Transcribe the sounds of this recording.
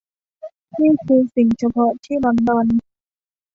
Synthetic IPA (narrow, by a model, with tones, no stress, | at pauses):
miː˥˩˨kʰɯː˧si˨˩ŋt͡ɕʰa˧pʰɔ˦˥ʔt̪ʰiː˥˩bɔ˧ndɔː˧n